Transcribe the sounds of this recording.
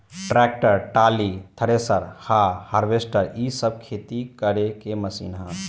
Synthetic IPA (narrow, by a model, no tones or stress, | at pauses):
ʈɾɛk̚ʈəɾʈalit̪ʰəɾesəɾhahaɾbesʈəɾisəb̚kʰet̪ikəɾekeməsḭnɦə̃